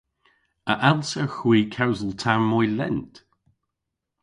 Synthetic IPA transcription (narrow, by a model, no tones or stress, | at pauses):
əʔalˠsawxwiːkʰawzəlˠtʰamːɔjlɛ̰nt